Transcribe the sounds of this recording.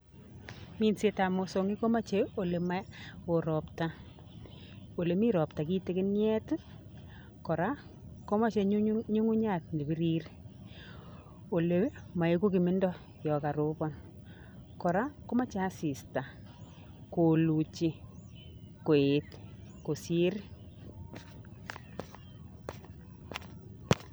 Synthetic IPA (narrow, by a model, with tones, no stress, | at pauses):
mi˦nse˦ta˨mo˨so˨ŋi˦ko˦ma˦t͡ʃe˦o˨le˨ma˦o˨ɾɔ˨pta˦ | o˨le˨mi˦ɾɔ˨p̚ta˨ki˦te˦kɪ˦njɛ˦t | kɔ˨ɾa˦ | ko˦ma˦t͡ʃe˧ɲu˦ŋu˦ɲa˨t̚ne˨bi˦ɾi˦ɾ | o˨le˨ma˨e˦ku˦kɪ˨mɪ˦ndɔ˦ | jɔ˨ka˨ɾu˦bɔ˦n | kɔ˨ɾa˦ko˦ma˦t͡ʃa˦si˨sta˨ | ko˨lu˨t͡ʃi˦ | ko˨e˨tko˨si˦ɾ